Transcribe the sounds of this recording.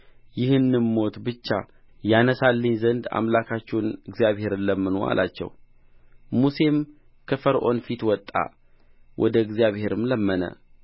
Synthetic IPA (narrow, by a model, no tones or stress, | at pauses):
jɪhɨnːɨmːo̞t̪bɨt͡ʃːa | janəsalːəɲzənd̪a̰mlakʰat͡ʃːɛwnɨɡzijaβhe̞ɾɨnləmːɨno̰a̰lʔa̰t͡ʃːɛ̰w | muse̞m | kʰəfəɾʔo̞̰nfit̪wɔt̪ʼːa̰ | wʔɔ̰d̪əɨɡzijaβhe̞ɾɨmləmːənə̰